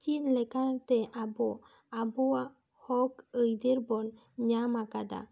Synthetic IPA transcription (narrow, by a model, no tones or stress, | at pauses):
t͡ʃinlekaɾt̪eʔabo | abua | hɔkəjd̪iɾbɔn | ɲamakad̪a̰